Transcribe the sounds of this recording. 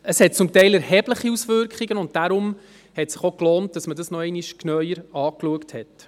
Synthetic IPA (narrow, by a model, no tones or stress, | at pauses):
əshɛt̚t͡sʊmtɛɪlɛɾhɛb̥ləχiusʋʏɾkχiɡənʊnt̚d̥aɾʊm | hɛtsɪχokloːnt̚d̥ɑsmədɑsnɔɛɪniʃknœʏjəɾɑːkluəkthɛt